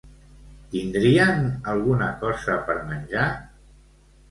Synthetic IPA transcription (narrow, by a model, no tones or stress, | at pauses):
t̪ind̪ɾiənəlˠɣunəkɔzəpəɾmənʲʒa